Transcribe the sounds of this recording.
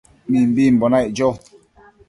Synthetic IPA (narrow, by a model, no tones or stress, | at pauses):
mĩmbimbonajʔd͡ʒo